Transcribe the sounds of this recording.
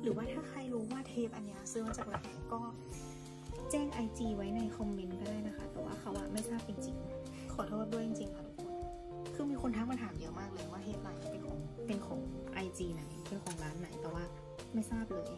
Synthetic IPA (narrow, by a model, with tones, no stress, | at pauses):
ɾɯː˨˩˦waː˥˩t̪ʰaː˥˩xʰa˧jɾuː˦˥waː˥˩t̪ʰeː˧˥˩p̚ʔa˧nːi˧˥ɐ˧sɯ˧˦ma˧˥t͡ɕaː˨˩k̚la˨˩jna˨˩jkɔː˥˩ | t͡ɕɛː˥˩ŋʔa˧jt͡ɕiː˧wa˦˥jna˧˩jkʰɔ˧mme˧nkɔ˥˩ɾaː˥˩jna˦˥xʰa˧˩t̪ɛː˨˩˦wa̰ː˧˥˩kʰa˧˥wʔa̰˧˩ma˥˩jsaː˥˩p̚t͡ɕi˧ŋt͡ɕi˧ŋ | kʰɔː˨˩˦t̪ʰoː˥˩t̪̚du˧˩əjt͡ɕi˨˧ŋt͡ɕi˧ŋkʰa˧˩ | kʰɯː˧miː˧kxʰo˧nt̪ʰaː˧˥˩ŋmaː˧˩t̪ʰaː˨˦mdi˧˦əmaː˥˩k̚lɤː˧jwaː˥˩t̪ʰeː˧˥˩p̚laː˧˩ma˧˩pe˧nkʰɔː˨˦ŋpe˧nkʰɔː˨˩˦ŋʔa˧jt͡ɕiː˧˩na˨˩˦jpe˨nkʰɔː˨˩˦ŋlaː˦˥nːa˨˦jt̪ɛː˨˩waː˧˥˩ | ma˥˩jsaː˥˩p̚lɤː˧j